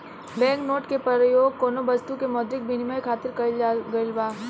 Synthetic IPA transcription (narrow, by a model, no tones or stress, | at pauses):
bɛ̃ːŋknoːʈkepɐɾjoːɡkoːnobɐst̪ukemɔːd̪ɾɪk̚bʱinimajkʰaːt̪ɪɾkɐɡɐlbaː